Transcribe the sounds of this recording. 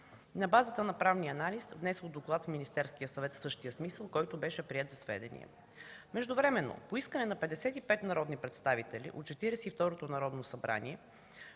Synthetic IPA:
nɐbazət̪ənɐpɾavniəɐnalisvnɛsɛlˠd̪oklˠat̪fminist̪ɛɾsk̟ijəsɐvɛt̪fsɤʃt̪ijəsmisəlˠkɔjt̪obɛʃɛpɾiɛt̪zɐsvɛ̰d̪ɛ̰nḭɛ̰ | mɛʒd̪ʊvɾɛmɛnːo̰poiskənɛnɐpɛd̪ɛsɛt̪ipɛt̪nɐɾɔd̪nipɾɛt̪st̪avit̪ɛlḭʔo̰t̪̚t͡ʃɛt̪iɾɛsɛift̪ɔɾot̪onɐɾɔd̪nosɐbɾa̰niɛ

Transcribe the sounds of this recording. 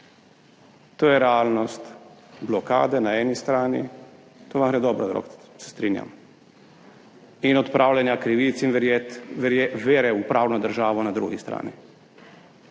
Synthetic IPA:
t̪oːjɛɾɛaːlnɔst̪blɔka̰ːd̪ɛnaɛːnist̪ɾaːnḭ | t̪oːʋamɦɾɛd̪ɔbɾad̪ɾɔ̰ksɛ̥st̪ɾiːnja̰m | inɔt̪pɾʔaːwlʲɛnjakɾiʋit̪sinʋ | ʋeːɾɛupɾaːwnɔd̪əɾʒaːʋɔnad̪ɾuɡist̪ɾa̰ːni

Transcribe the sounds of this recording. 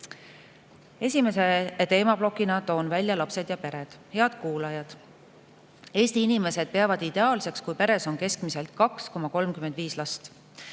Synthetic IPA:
e̞sʲime̞se̞t̪e̞ːmɑb̥lo̞kːˑinɑt̪ːo̞ːnvælʲjɑlɑpse̞d̪jɑpe̞ɾe̞d̪̥he̞ɑd̪̥kuːlɑjɑd̪̥ | e̞ːst̪iinime̞se̞d̪̚pe̞ɑvɑd̪̥id̪̥e̞ɑːlse̞kskujpe̞ɾe̞so̞nke̞skmise̞lt̪̚kɑksko̞mɑko̞lmkyme̞nd̪viːslɑst̪

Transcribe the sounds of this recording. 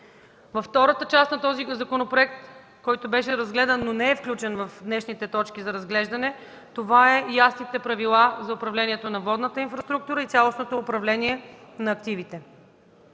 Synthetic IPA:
vɐfːt̪ɔɾət̪ət͡ʃast̪nɐt̪ɔzizɐkonopɾoɛk̚t̪ | kɔjt̪obɛʃɛɾɐzɡlɛd̪ənːonɛɛfklʲut͡ʃɛnvɐfd̪nɛʃnit̪ɛt̪ɔt͡ʃkizɐɾɐzɡlɛʒd̪ɐnɛ | t̪ovaɛjasnit̪ɛpɾɐvilˠazɐʊpɾɐvlɛnʲiɛt̪onɐvɔd̪nət̪əinfɾɐst̪ɾuk̚t̪uɾəit̪sʲjalˠosnot̪oːpɾɐvlɛniɛnɐːkt̪ivit̪ɛ

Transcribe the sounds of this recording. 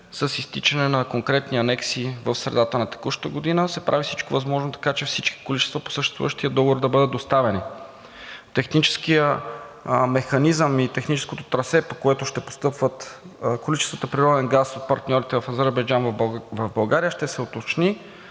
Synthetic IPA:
səsist̪it͡ʃɐnɛnɐkoŋkɾɛt̪niɐnɛksivəfsɾɛ̰d̪at̪ənɐt̪ɛ̥kuʃt̪əɡod̪inəsɛpɾʔavisit͡ʃkovɐzmɔʒnot̪ɐ̥kat͡ʃɛfsit͡ʃki̥kolit͡ʃɛst̪vəpo̥səʃt̪ɛst̪vṵvəʃt̪iəd̪ɔɡovoɾd̪ɐbɤd̪ət̪̚d̪ost̪avɛni | t̪ɛxnit͡ʃɛ̥skijə | mɛxɐnizəmit̪ɛxnit͡ʃɛ̥skot̪ot̪ɾɐsɛpokoɛt̪ʊʃt̪ɛpo̥st̪ɤpvət̪kolit͡ʃɛst̪vət̪əpɾiɾɔd̪ɛnɡasot̪̚pɐɾt̪nʲɔɾit̪ɛvɐfɐzɛɾbɐjd͡ʒanvvɐvbɐlˠɡaɾijəʃt̪ɛsɛot̪ot͡ʃni

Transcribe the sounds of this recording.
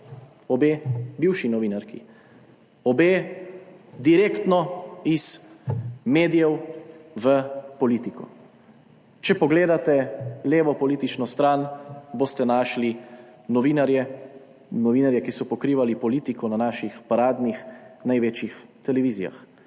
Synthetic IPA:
ɔbeːbiːwʃinɔʋiːnaɾkḭ | ɔbeː | d̪iɾeːkt̪nɔiz | meːd̪ijɛwʋəpɔliːt̪ikʰɔ̰ | t͡ʃɛpɔɡleːd̪at̪ɛleːʋɔpɔliːt̪it͡ʃnɔst̪ɾaːnboːst̪ɛnaːʃli | nɔʋinaɾjɛ | nɔʋiːnaɾjɛkisɔpɔkɾiːʋalipɔliːt̪ikɔnanaːʃixpaɾaːd̪nixnajʋeːt͡ʃjixt̪ɛlɛʋiːzija̰x

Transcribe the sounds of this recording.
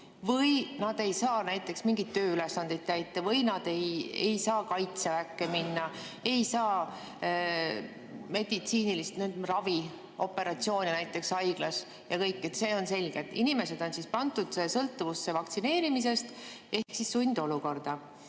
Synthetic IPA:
vɤjnɑd̪̥e̞jsɑːnæjt̪ːˑe̞ksmiŋɡ̥it̪t̪ːø̞ːyle̞sːɑnd̪̥ed̪̥̚kæjt̪ːˑɑvɤjnɑd̪̥e̞jejsɑːkɑjt̪sevækːe̞minːɑ | e̞jsɑː | me̞d̪̥it̪siːnilist̪nyːd̪rɑvi | o̞pːˑe̞ɾɑt̪sio̞ːnʲinæjt̪ːˑe̞ksɑjɡ̥lɑs | jɑkɤjkːˑe̞t̪se̞ːo̞nse̞lʲɡ̥e̞t̪ːˑinime̞se̞d̪̥o̞nsispɑnt̪ˑud̪̥sesɤlt̪ːˑuvusːe̞vɑkt̪sine̞ːɾimis̬e̞st̪ | ʔe̞ksisːunʲd̪̥o̞luko̞rd̪̥ɑ

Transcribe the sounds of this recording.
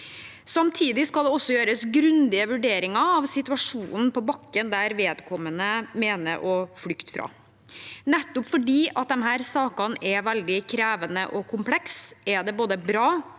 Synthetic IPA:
sɑmt̪ʰiːd̪ɪskɑld̪ɛɔsːɔjøːɾəsɡɾʉnd̪ɪəʋʉɖeːɾɪŋɑɑʋsɪt̪ʉɑʂuːnn̩pɔbɑkːənd̪æɾʋeːd̪kʰɔmːənəmeːnə̰ɾʔɔflʏkt̪fɾɑ̰ː | nɛt̪ːʊpfɔɖiːʔɑt̪̚d̪ɛnɦæːɾsɑːkɑnɛʋæld̪ɪkʰɾæːʋənə̰ʔɔkʰʊmpʰlɛksɛɖɛboːd̪əbɾɑː

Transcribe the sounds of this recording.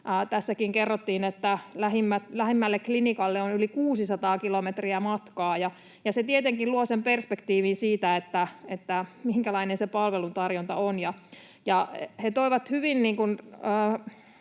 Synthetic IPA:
t̪æsːækiŋkerːot̪ːiːnet̪ːælæɦimːæt̪læhimːælːeklinikɑlːeonylikuːsisɑt̪ɑːkilomet̪riæmɑt̪kɑːjɑ | jɑset̪iet̪eŋkiluosemperspekt̪iːʋinsiːt̪æet̪ːæet̪ːæmiŋkælɑinensepɑlʋelunt̪ɑrjont̪ɑonjɑ | jɑhet̪oiʋɑt̪hyʋinniːŋkunəː

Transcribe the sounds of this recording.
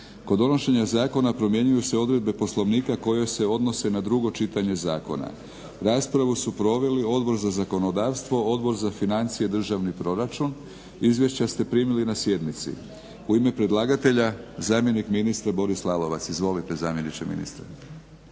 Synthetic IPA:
ko̞d̪o̞no̞ʃe̞ɲazaːko̞napɾo̞mje̞ɲujuseo̞d̪ɾe̞d̪̚be̞po̞slˠo̞ʋniːkako̞jo̞jse̞o̞d̪no̞se̞nad̪ɾuɡo̞t͡ʃit̪aɲe̞zaːko̞̰na̰ | ɾaːspɾaʋusupɾo̞ʋe̞lio̞d̪bo̞ɾzazako̞no̞d̪aːʋst̪ʋo̞o̞d̪bo̞ɾzafinant̪sije̞d̪r̩ʒaʋnipɾo̞ɾat͡ʃun | izʋje̞ʃt͡ɕast̪e̞pɾiːmilinasje̞d̪nit̪sḭ | uime̞pɾe̞d̪lˠaːɡat̪e̞ʎazaːmje̞nikminist̪ɾabo̞ɾislˠaːlo̞ʋat̪sizʋo̞lit̪e̞zaːmje̞nit͡ʃemḭnḭst̪ɾḛ

